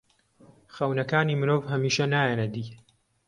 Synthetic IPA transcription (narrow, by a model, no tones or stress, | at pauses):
xɐwnɐkaːniːmɨɾoːvɦɐmiːʃɐnaːjɐnɐd̪iː